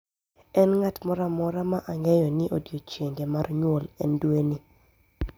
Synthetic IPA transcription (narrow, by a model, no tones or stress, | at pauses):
ɛnŋatmɔɾamɔɾamaʔaŋɛjɔnɪʔodjot͡ʃeŋɡemarɲwɔlɛndwenɪ